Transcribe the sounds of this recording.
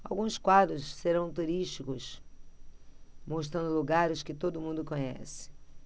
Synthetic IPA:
awɡũskwad̪ɾʊsseɾɐ̃w̃t̪uɾiʃt͡ʃikʊs | moʃ̬t̪ɾɐ̃nd̪ʊluɡaɾɪskɪt̪od̪ʊmũnd̪ʊkõɲɛ̰sɪ̥

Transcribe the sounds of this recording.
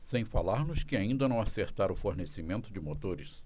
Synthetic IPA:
sẽj̃falaɾnʊskɪaĩnd̪ɐnɐ̃w̃aseɾt̪aɾʊfoɾnesimẽnt̪ʊd͡ʒɪmot̪oɾɪs

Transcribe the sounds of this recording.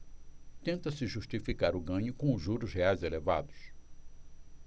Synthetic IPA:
t̪ẽnt̪ɐsɪʒuʃt͡ʃifikaɾʊɡɐ̃ɲʊkõʊʒuɾʊzheajzeleva̰d̪ʊs

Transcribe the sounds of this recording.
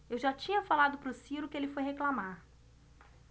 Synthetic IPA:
ewʒat͡ʃĩɲɐfalad̪ʊpɾʊsiɾʊkɪelɪfojheklamaɾ

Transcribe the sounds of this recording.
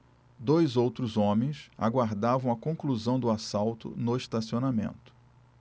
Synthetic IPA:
d̪ojzowt̪ɾʊzõmẽj̃sa̰ɡwaɾd̪avɐ̃w̃ɐkõkluzɐ̃w̃d̪ʊasawt̪ʊ̰nʊist̪asionamḛ̃nt̪ʊ̥

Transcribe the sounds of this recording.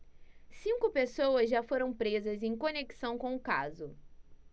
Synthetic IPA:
sĩŋkʊpesowɐzʒafoɾɐ̃w̃pɾezɐzẽj̃koneki̥sɐ̃w̃kõʊkazʊ

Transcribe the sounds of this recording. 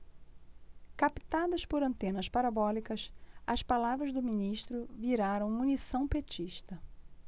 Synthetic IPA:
kapi̥t̪ad̪ɐspoɾɐ̃nt̪ẽnɐspaɾabɔlikɐsɐspalavɾɐzd̪ʊminiʃt̪ɾʊviɾaɾɐ̃w̃munisɐ̃w̃pet͡ʃiʃt̪ɐ

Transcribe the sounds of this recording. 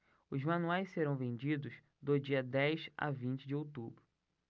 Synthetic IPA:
ʊzmɐ̃nuajsseɾɐ̃w̃vẽnd͡ʒid̪ʊʃ | d̪ʊd͡ʒiɐd̪ɛjʃa̰vĩnt͡ʃɪd͡ʒɪowt̪ubɾʊ

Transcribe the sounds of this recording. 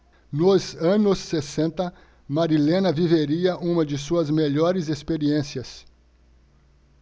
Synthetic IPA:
nozɐ̃nʊsːesẽnt̪ɐ | maɾilẽnɐviveɾiɐʔũmɐd͡ʒɪsuɐzmeʎɔɾɪzespeɾiẽsiɐs

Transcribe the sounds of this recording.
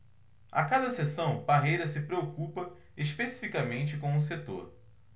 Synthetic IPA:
a̰kad̪ɐsesɐ̃w̃paɦejɾɐsɪpɾeokupɐ | eʃpesi̥fikamẽnt͡ʃɪkõw̃ʊs̬et̪o̰ɾ

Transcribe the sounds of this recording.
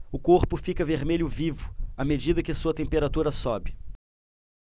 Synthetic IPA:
ʊkoɾpʊfikɐveɾmeʎʊvivʊamed͡ʒid̪ɐkɪɐsuɐt̪ẽmpeɾat̪uɾɐsɔbɪ

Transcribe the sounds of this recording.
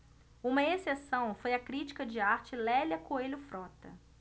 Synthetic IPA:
ũmɐesesɐ̃w̃fojɐkɾit͡ʃi̥kɐd͡ʒɪaɾt͡ʃɪlɛlʲɐkoeʎʊfɾɔt̪ɐ

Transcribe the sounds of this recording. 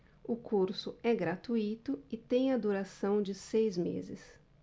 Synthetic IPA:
ʊkʰuɾsʊɛɡɾat̪uit̪ʊɪt̪ẽj̃ɐd̪uɾasɐ̃w̃d͡ʒɪsejzmḛzɪs

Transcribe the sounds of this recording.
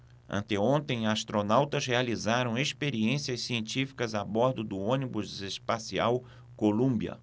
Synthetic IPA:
ɐ̰̃nt̪eõnt̪ẽj̃ast̪ɾonawt̪ɐzhealizaɾɐ̃w̃espeɾiẽsiɐssiẽnt͡ʃifi̥kɐzabɔɾd̪ʊd̪ʊõnibʊzespasiaw | kolũmbiɐ̰

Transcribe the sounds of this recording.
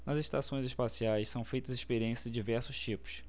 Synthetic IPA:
nɐzeʃt̪asõj̃zɪspasiajssɐ̃w̃fejt̪ɐzɪʃpeɾiẽsjɐzɪd͡ʒivɛɾsʊst͡ʃipʊ̥s

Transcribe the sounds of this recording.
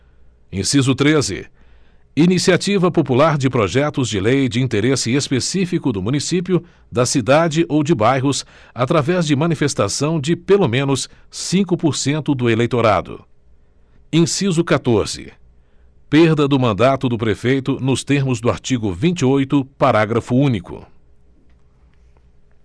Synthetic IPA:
ḛ̃sizʊt̪ɾezɪ̰ | inisiat͡ʃivɐpopulaɾd͡ʒɪpɾoʒɛt̪ʊzd͡ʒɪlejd͡ʒɪĩt̪eɾesɪespesifikʊd̪ʊmũnisipjʊ | d̪ɐsid̪ad͡ʒɪʔowd͡ʒɪbajɦʊs | at̪ɾavɛzd͡ʒɪmɐ̃nifest̪asɐ̃w̃d͡ʒɪpelomẽnʊssĩŋkʊpoɾsẽnt̪ʊd̪ʊelejt̪oɾa̰d̪ʊ̰ | ẽsizʊkat̪oɾz̥ɪ̰ | peɾd̪ɐd̪ʊmɐ̃nd̪at̪ʊd̪ʊpɾefejt̪ʊnʊst̪eɾmʊzd̪ʊa̰ɾt͡ʃiɡʊvĩnt͡ʃɪojt̪ʊpaɾaɡɾɐfʊũnikʊ̰

